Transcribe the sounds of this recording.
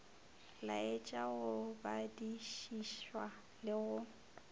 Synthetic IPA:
la̰et͡ʃʼaɣʊbadiʃiʃwa | lɪɣʊ

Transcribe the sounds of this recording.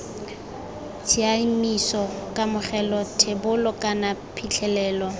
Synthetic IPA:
t͡sʰiamisɔkʼamʊχɛlɔtʰɪbʊlʊkʼanapʰit͡ɬʰɛlɛːlɔ

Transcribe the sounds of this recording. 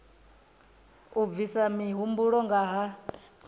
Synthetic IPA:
ub̪visamiɦumbuɺɔŋɡaɦa

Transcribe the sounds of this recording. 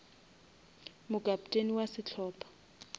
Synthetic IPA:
mʊɡ̥ʱap̚ʼtʼeniwasɪt͡ɬʰɔːpʰʼḁ

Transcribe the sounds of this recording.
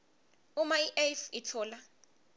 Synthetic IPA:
umaiʔelfitʰɔːla

